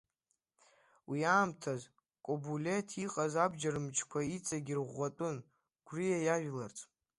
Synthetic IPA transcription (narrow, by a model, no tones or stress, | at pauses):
wiaːmtʰaz | kʼobulʲetʰiqʼazabd͡ʒaɾɨmt͡ʃʰkʷʰait͡sʼaɡʲirʁʷːatʼʊn | ɡ̥ʷrɨjajaʒᶣlart͡sʰʼ